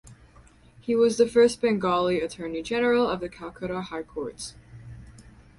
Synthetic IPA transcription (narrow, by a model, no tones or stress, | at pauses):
hiwʌzðɨfɜ˞s̚b̥ɨ̃ŋɡɑlˠiɨtʰɜ˞nid͡ʒɛnə˞l̩ˠʌvðɨkʰælˠkʰɨɾəhaɪkʰɔɹts